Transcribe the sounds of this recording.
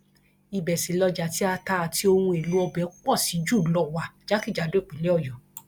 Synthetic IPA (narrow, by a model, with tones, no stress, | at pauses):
i˧bɛ˨sĩ˨˦lɔ˧d͡ʒa˨˦ti˦a˧ta˧a˨ti˧˦o˧hũ˧e˨lu˨˦ɔ˧bɛ˨˦k͡pɔ˦˨si˨˦d͡ʒu˦˨lɔ˦˨wa˨d͡ʒa˨˦ki˦˨d͡ʒa˨˦do˦˨k͡pĩ˨˦lɛ˨˦ɔ˦˨jɔ˨